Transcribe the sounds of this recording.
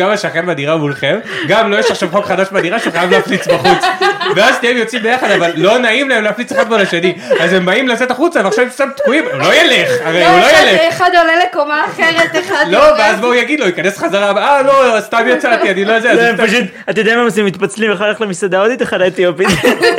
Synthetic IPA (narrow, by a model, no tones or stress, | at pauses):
ɡamaʃeaχenmad̪iʁamulχemɡamlojeʃaχʃavχo̞kχad̪aʃbeadiʁaʃuχajavleːflit͡sbbaχut͡sveazʃt̪aimjo̞t͡simbejaχad̪avalːo̞naimlaemleaflit͡seχad̪̚molaʃeniazembaimlat͡set̪aχut͡saveaχʃavmftamt̪kuimulo̞jeleχaʁejulojeleeχad̪olelekomaːχeʁet̪eχadloveazboujaɡid̪loikanesχazaʁabalost̪amjat͡sat̪ianilozeazmpaʃut̪ | at̪jod̪amamasemit̪pat͡slimeχad̪kaχlemisad̪aod̪it̪eχadat̪iopit̪